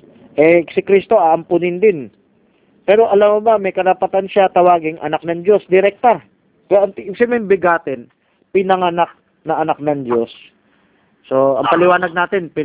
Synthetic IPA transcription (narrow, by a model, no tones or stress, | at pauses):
ʔɛsɪkɾist̪o̞ʔaʔɐmpʊnɪnd̪ɪn | pɛːɾo̞ʔɐlamʊbɐmːɛjkɐɾɐpɐt̪anʃat̪ɐwaːɡɪŋʔɐ̰nak̚nɐŋd͡ʒo̞sd̪ɪɾɛk̚t̪a | kɐɐŋɪsɪmɛmbɪɡaːt̪ɪn | pɪnɐŋɐnak̚ | nɐʔɐnak̚nɐŋd͡ʒo̞sː | oɐ̰ŋpɐlɪwaːnɐɡ̚naːt̪ɪnpɪ